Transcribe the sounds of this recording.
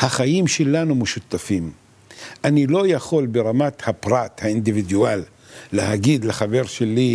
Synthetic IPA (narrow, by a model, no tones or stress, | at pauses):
haχajimʃelanumeʃut̪afim | anilo̞jaχo̞lbeʁamat̪hapʁat̪haind̪ivid̪ualː | eɦaɡid̪leχave̞ʁʃeli